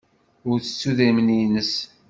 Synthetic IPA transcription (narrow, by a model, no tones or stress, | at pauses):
ʊɾθə̥t͡sːuðæmninəs